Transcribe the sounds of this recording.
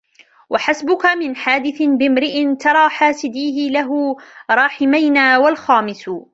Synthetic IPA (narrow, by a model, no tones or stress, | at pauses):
wʔaħasbʊkamɪnħaːd̪ɪθɪnbɪmɾɪʔɪnt̪ɑɾˤɑːħaːsɪd̪iːɦɪlaɦʊɾˤɑːħɪmajnaːwalxɑːmɪs